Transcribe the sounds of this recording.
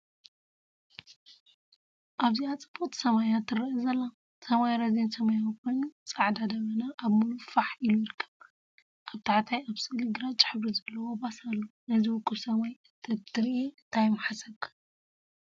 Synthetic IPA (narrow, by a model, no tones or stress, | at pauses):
ʔaβziat͡sʼɨbot̪ʰi̥sɐmajat̪ʰːɨɾiʔɨzɐlːa | sɐmajɾɐzensɐmajawkʰo̞jnut͡sʼaʕd̪ad̪ɐβɐnaʔːβmulufaħʔilujɪɾɨkʰːɐβ | ʔaβt̪ʰaʕt̪ʰajaβsɨlɨɡɾat͡ʃʼɪ̥ħɨβɾizɐlːɐwobasalːonɐziwʊkʼːɨβsɐmajɨt̪ʰɐt̪ʰɨɾiʔeɨnt̪ʰajmaħasɐβkʰḁ